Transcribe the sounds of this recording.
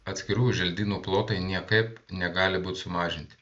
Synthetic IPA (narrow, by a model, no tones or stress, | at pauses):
ɐt̪ʲsʲkʲɪɾuːjʊʒʲɛlʲd̪ʲiːnuːplˠoːt̪ɐɪnʲiɛkɐɪpnʲɛɡɑːlʲɪbuːt̪ʲsʊmɑːʒʲɪnʲt̪ʲɪ̥